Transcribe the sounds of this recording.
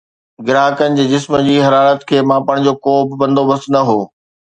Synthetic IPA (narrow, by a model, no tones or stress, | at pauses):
ɡɪɾaːkənɪ̆d͡ʑeːd͡ʑɪsmd͡ʑiːɦɐɾaːɾət̪kʰeːmãpɐɽ̃̆d͡ʑoːkoːbɪbɐ̃nd̪obɐsnɐɦoː